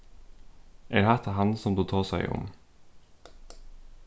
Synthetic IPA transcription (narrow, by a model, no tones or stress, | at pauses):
ʔeːɾhæt̪ʰɑɦɑnəsɔmd̪uːt̪ʰɑːsæɪʔʊ̰m